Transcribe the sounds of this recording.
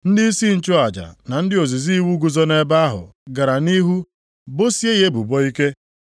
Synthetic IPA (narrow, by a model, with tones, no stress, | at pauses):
n̩˦dɪ˦i˦si˦n̩˦˨t͡ʃʊ˦a˨d͡ʒa̰˨na˨n̩˦dɪ˦o˨zi˨zi˦wu˦ɡu˨zɔ˦ne˦ba˦ɦʊ̰˨ɡa˨ɾa˨ni˦ɦu˦ | bo˦si˦e˦ɦe˦bṵ˨bɔ˦i˦ke˦